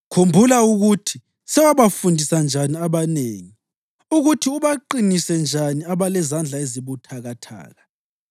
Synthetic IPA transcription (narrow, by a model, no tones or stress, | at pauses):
kʰumbʱulauɣutʰi | sɛwaβafundʱisand͡ʒʱaniaβaneːŋi | uɣutʰiuβaǃinisɛnd͡ʒʱaniaβalɛzand͡ɮʱaeziβutʰaɣatʰa̰ːɣa